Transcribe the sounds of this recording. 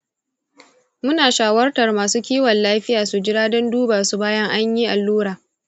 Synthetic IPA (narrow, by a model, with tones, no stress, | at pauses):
mʊ˦naː˨ʃaː˨wɐ˦rtɐ˨rmaː˨suː˦kʲiː˦wɐ˨nlaː˦ɸɪ˦jaː˨su˨d͡ʒɪ˦ɽaː˦dɔ˦nduː˦baː˨su˨baː˦jɐ˦ŋʔa˦ɲji˦ʔa˨lːuː˦ɾaː˨